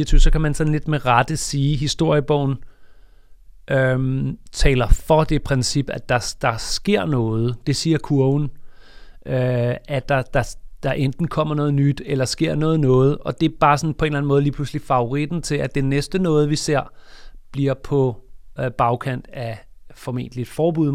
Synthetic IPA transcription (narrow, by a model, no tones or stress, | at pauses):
iɐt͡sʰyːʊ̰sɒ̽kæmænsɒ̽n̩le̝d̥meʁɑd̥əsiːɦisd̥o̝ɐ̰jəb̥ɒʊ̰n̩ | ʔømt͡sʰɛ̰ːlɐfɒ̽d̥e̝pʰʁɛnsib̥æd̥ɑ̈d̥ɑ̈sɡ̥e̝ɐ̰nɔːð̞̩ˠd̥e̝siːɐkʰuɐʊn̩ | ʔøʔæd̥ɑ̈d̥ɑ̈d̥ɑ̈ʔend̥n̩kʰɒ̽m̰ɐnɔ̽ːð̞ˠnyd̥elɐsɡ̥e̝ɐ̰nɔ̽ːð̩ˠnɔ̽ːð̞̩ˠʔɒ̽d̥e̝b̥ɑ̈ːsɒ̽npʰɒ̽e̝nlæn̩mɔ̽ːðˠliːpʰl̥uslifɑ̈o̝ʁid̥n̩t͡sʰe̝læd̥enesd̥ənɔ̽ːð̞̩ˠʋise̝ɐ̰b̥liɐ̰pʰɒ̽b̥ɑ̈ʊkʰæn̰d̥æfɒ̽me̝̰ːnd̥lid̥fɒːb̥uð̰ˠ